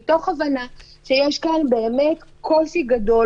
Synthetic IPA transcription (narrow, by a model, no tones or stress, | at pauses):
to̞χavana | ʃe̞jeʃkanbe̞ːmetkʰo̞siɡado̞